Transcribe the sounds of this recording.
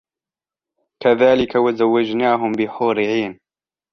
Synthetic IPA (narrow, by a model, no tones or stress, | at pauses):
kʰɐðaːlikʰɐwɪzɐwːed͡ʒnaːɦʊmbiħoːɾɪʕiːn